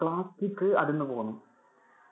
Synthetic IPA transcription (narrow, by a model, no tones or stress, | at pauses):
klaːstːikːɨɐðenːɨpo̞ːnːu